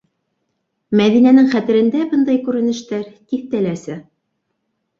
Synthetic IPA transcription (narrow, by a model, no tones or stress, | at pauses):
mæðinænɘŋχæt̪ɘ̆ɾɘ̆nd̪æbɤnd̪ɑjkʉɾɘ̆nɘ̆ʃt̪æɾt̪iθt̪ælæsɘ